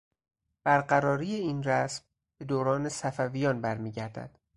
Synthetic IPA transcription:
b̥æɾɢæɾɒːɾijeiːnræsm | b̥e̞d̪oːɾɒːne̞sæfævijɒːnbæɾmiːɟæɾd̪æ̰d̪̥

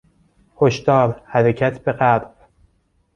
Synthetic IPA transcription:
hoʃt̪ɒːɾhæɾecʰæt̪ʰbe̞ɢæɾb̥

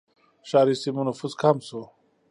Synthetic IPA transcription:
ɕaːɾisimunufuskʰamso

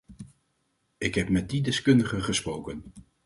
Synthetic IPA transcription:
ɪkɦɛp̚mɛt̚didɛskɵndəχəχəsprowkən

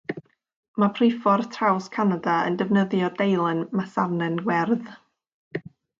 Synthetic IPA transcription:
mapʰrɪfɔrtʰrawskʰanadaə̰ndəvnəðjɔdejlˠɛnmasarnɛnɡwɛrð

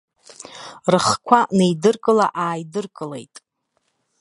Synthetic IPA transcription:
rɨχkʷʰanejdɨrkʼɨla̰ʔaːjdɨrkʼɨlḛjtʼ

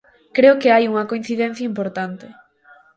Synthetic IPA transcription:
kɾeʊkeajuŋɐkoin̟θiðɛn̟θjɐimpoɾt̪ant̪ɪ

